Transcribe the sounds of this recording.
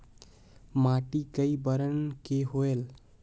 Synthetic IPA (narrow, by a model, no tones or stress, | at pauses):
maʈikəibəɾənkeɦoel